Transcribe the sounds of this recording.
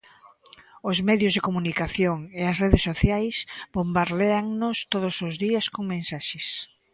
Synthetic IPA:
ʊzmɛðjʊzðɪkomunikaθjoŋeɐsreðɪsːoθjajsbombaɾðeaŋnost̪oðʊsʊzðiɐskoŋmẽnsaʃɪs

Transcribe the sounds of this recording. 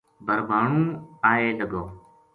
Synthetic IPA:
bʱəɾbʱaːɳũːaːeːləɠoː

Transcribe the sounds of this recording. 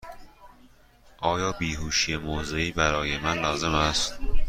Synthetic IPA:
ʔɒːjɒːbiːhuːʃijemoːzeiːbæɾɒːjemænlɒːzemæst̪

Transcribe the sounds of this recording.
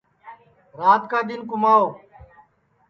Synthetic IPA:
ɾaːt̪kãːd̪ɪnkʊmaːoː

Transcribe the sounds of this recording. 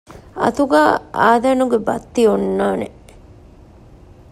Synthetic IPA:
ɐ̰t̪uɡaːaːd̪ɐnuɡebɐt̪ːionːaːne

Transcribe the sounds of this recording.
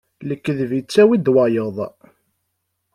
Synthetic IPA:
ləkːəðvit͡sːæwid̪wɑjəðˤ

